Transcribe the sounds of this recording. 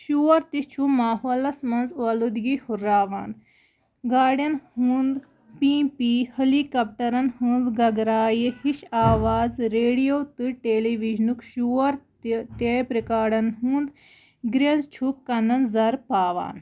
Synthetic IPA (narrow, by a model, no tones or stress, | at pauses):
ʃuːɐɾt̪it͡ʃʰumaːɦoːlɐsmɐnzuɐlud̪ɡihuɾaːʋaːn | ɡaːɖjɐnhũːnd̪ | pĩːpihɐlikɐp̚ʈɐɾɐnhunzɡɐɡɾaːjihiʃaːʋaːzɾeːɽijoːt̪ɨʈeːliʋiʒnukʃuɐɾt̪t̪epɾikaːɽɐnɦũːnd̪ | ɡɾenzt͡ʃʰukkːɐnɐnzɐɾpaːʋa̰ːn